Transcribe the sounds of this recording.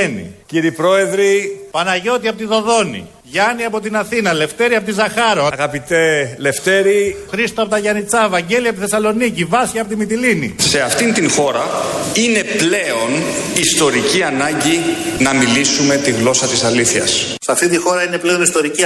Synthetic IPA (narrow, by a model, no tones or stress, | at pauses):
nḭciɾipɾo̞e̞ðɾipɐnɐʝo̞t̪iɐpot̪iðo̞ðo̞nḭ | ʝɐniɐpo̞t̪inɐθinɐle̞ft̪e̞ɾiɐpot̪izɐxɐɾoɣɐpit̪e̞le̞ft̪e̞ɾixɾist̪oɐpot̪ɐʝɐnit͡sɐevɐɲɟe̞liɐpot̪iθe̞sɐlo̞nicivɐsçiɐpo̞t̪imit̪ilinḭse̞ɐft̪int̪iŋxo̞ɾɐine̞ple̞o̞nist̪o̞ɾiciɐnɐɲɟinɐmilisume̞t̪iɣlo̞sɐt̪isɐliθçɐ̰s | sɐft̪int̪ixo̞ɾɐineple̞o̞nist̪o̞ɾici